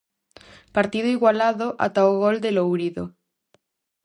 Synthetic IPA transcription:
paɾt̪ið̞oiɣwalaðoʔa̰t̪aoɣold̪elowɾiðo

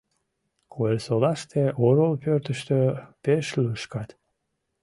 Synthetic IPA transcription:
kʰoelʲsolɑʃt̪eʔoɾolpørt̪əʃt̪øpeʃlyʃkɑt̪

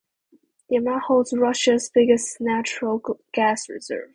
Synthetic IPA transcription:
ðiəmahoʊlˠdzɹʌʃɨzbɪɡɨsnæt͡ʃɹəl̩ˠɡ̥æsɹɪ̰zɜ̰˞v̥

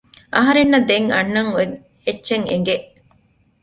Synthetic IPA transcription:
ʔɐɦɐɾenːɐd̪eŋɐ̰nːɐŋo | etːʃeŋeŋɡeʔ

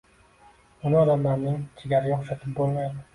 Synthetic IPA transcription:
ʊnɪɒd̪amlaɾnɪŋt͡ʃʰeɡʲaɾɪɡʲaχʃat̪ʰɪp̚bolˠmajd̪ɪ

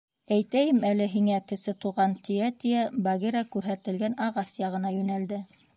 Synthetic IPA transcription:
æjt̪æjɘmælɘɦiŋækɘ̆sɘt̪uʁɑnt̪iæt̪ijæbɑɣeɾɑkʉɾɦæt̪ɘ̆lɡænɑʁɑsjɑʁɤ̆nɑjʉnæld̪ɘ

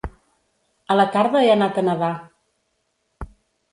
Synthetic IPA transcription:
ələt̪aɾðəeənat̪ənəða

